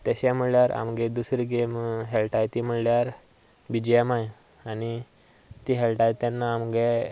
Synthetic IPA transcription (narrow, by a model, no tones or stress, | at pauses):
t̪aɕãm̤əɽljaɾa̰mɡed̪usɾiɡemɦelʈajt̪im̤əɽljaɾ | bid͡ʑjamaj | ani | t̪iɦelʈajt̪janːaːmɡe